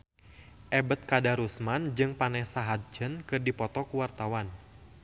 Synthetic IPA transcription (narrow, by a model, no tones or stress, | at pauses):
ʔɛbət̪̚kadaɾusmand͡ʒɨŋpanɛsaɦat̪̚d͡ʒənkɨrdipɔt̪ɔkuwart̪awan